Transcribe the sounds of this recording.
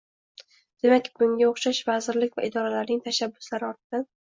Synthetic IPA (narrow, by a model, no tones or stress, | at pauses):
d̪̥e̞makʲbʊŋɡʲaoχʃaʃvazɪɾlɪkʲva̰ʔɪd̪ɒɾalaɾnɪŋt̪ʰaʃabːʊslaɾɪɒɾt̪̚ʰɪd̪̥an